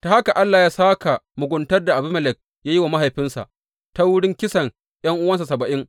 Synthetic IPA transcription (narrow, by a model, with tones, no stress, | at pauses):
ta˨a˦ka˨ʔa˦lːaː˨jaː˦saː˦ka˨mʊ˨ɡʷʊ˦ntɐ˦rda˨ʔa˨bʊ˦mɐ˨lɛ˨k̚ | jaː˦ji˦wa˨ma˦ɦa˨jɸɪ˦nsa̰˨ʔ | ta˦wʊ˦ɽɪ˦ŋkʲɪ˦sɐ˨ŋ | j̰ɐ˦ŋʔʊ˦wɐ˦ns̬a˨sɐ˨bɐ˨ʔɪ˦ŋ